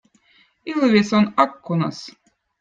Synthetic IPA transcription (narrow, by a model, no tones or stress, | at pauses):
ilˠvʲesonɑkːunɑ̰s